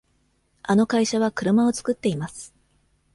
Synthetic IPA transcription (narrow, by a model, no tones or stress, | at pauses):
ano̞kaiɕaβ̞akɯ̟ɾɯ̟mao̞t͡sɨ̥kɯt̪ːe̞imasɨ̥